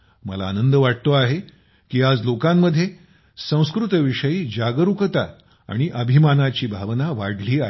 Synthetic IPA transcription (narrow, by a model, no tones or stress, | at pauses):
mə̰la̰ːnənd̪əʋaʈ̚t̪oaɦe | kiːad͡zlokamːəd̪ʱːje | sə̃w̃skɾut̪ʋiʂəjiːd͡ʑaɡəɾukt̪a̰ | a̰ɽ̃iʔəbʱimanat͡ɕiːbʱaʋnaʋa̰ɽliːaɦ